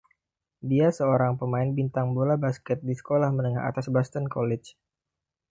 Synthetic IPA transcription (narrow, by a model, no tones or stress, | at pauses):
diasəoɾaŋpəmaɪnbint̪aŋbolabaskɛt̪̚disə̥kolahmənəŋa̰ʔa̰t̪asbast̪ənkolɛt͡ʃ